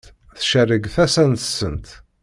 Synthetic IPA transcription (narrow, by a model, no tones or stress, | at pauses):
θʃərːəɡθæsænt̪əsːənt̪